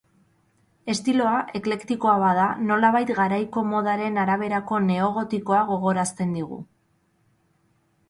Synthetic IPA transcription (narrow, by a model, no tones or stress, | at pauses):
e̞st̪ilo̞aʔe̞kle̞kt̪iko̞aβaðano̞laβajt̪ɡaɾajko̞mo̞ð̞aɾe̞naɾaβ̞e̞ɾako̞ne̞o̞ɣo̞t̪iko̞aɣo̞ɣo̞ɾast̪e̞nd̪iɣ̞ṵ